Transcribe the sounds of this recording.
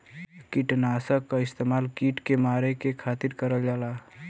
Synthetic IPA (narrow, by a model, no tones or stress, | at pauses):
kiʈnasəkːaɪst̪eːmaːlkiʈkemaɾekekʰat̪iɾkəɾəld͡ʒaːla